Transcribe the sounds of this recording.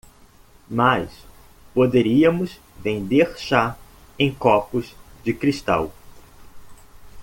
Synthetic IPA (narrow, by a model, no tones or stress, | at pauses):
majs | pod̪eɾiɐmʊz | vẽnd̪eɾʃa | ẽj̃kɔpʊzd͡ʒɪkɾist̪a̰w